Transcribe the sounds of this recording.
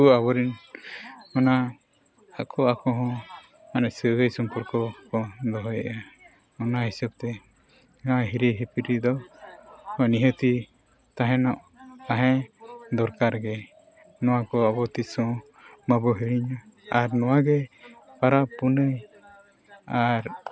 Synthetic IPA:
uabɔɾin | ɔna | aʔkʰɔakɔɦɔ̃ | anɛsəɡəjsɔmpuɾkɔkɔd̪ɔɦɔjaʔa | ɔnaɦisɛb̚t̪ɛ | ɡãɦiɾiɦipiɾid̪ɔ | hɔ̃niɦət̪i | t̪aɦɛ̃nɔʔ | t̪aɦɛ̃d̪ɔɾkaɾɡɛ | nɔwakɔɔbɔt̪isɔ | mabɔɦiɾiɲɔaɾnɔwaɡɛpaɾapunəj | aɾ

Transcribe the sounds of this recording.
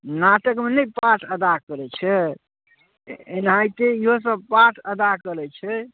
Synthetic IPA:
naʈəkmenəjpaʈʰəd̪akəɾɛt͡ʃʰɛ | enajt̪eiɦos̬əb̚paʈʰəd̪akəɾɛt͡ʃʰɛ

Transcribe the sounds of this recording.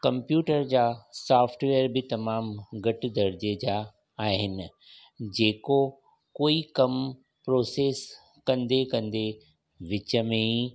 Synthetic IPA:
kɐ̃mpjuːʈəɾd͡ʑaːsaːfʈʋeːəɾbɪt̪ɐmaːmɡɐʈɪ̆d̪ɐɾd͡ʑed͡ʑaː | ɦɪnɪ̆ | d͡ʑeːko | koːikɐm | pɾoːseːs | kɐ̃nd̪ekɐ̃nd̪e | ʋɪt͡ɕəmẽi

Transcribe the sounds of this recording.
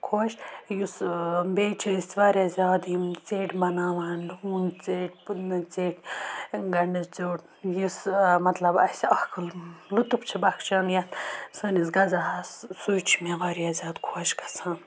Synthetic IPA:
kʰoːʃjusbeːt͡ʃʰist̪ʲʋaːɾʲazʲaːd̪jimt͡seːʈʲbɐnaːʋaːnlukmunt͡seːʈ̚ʲt͡seːʈʲɡɐɳɖist͡soːʈ | jusmɐt̪lɐbɐsʲɐhkʰɨllut̪upt͡ʃʰibɐkʰt͡ʃaːnjɐt̪səːnisɡɐzaɦɐssuːjt͡ʃʰimeʋaːɾijaːzʲaːd̪kʰoːʃɡɐ̥sʰãːn

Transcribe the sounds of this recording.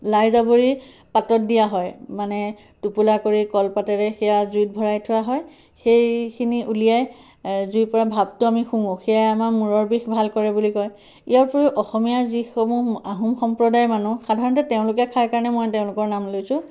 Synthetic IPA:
lajzaboɹi | patɔt̚dijaɦɔjmanɛ | tupulakoɹikɔlpatɛɹɛxɛjazujt̚bʱɔɹajtʰʊwaɦɔj | xejkʰiniʔulijaj | zuipɔɹabʱabtʊamixuŋoxʰijajamamuɹɔɹbixbʱalkɔɹɛbulikɔj | ijaɹpɔɹiʔɔxɔmijazixɔmuaɦumxɔmpɹɔdajmanuxadʱaɹɔntɛteʊ̃lʊk̬akʰajkaɹɔnɛmɔjteʊ̃lʊkɔɹnamlojsʊ̃

